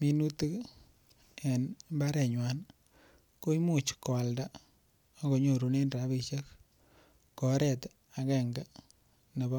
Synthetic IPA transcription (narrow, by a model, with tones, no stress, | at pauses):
mi˨nu˦ti˦k | e˨nba˦ɾɛ˨ɲwa˨n | ko˦i˦mu˦˨t͡ʃkɔ˨a˨lda˦ | ɡo˨ɲo˨ɾu˨ne˦nɾa˨˦bi˦˧ʃa˦k | kːɔ˨˦ɾɛ˦˨t | a˨kɛ˦˨ŋɡa˦ | ne˨bɔ˦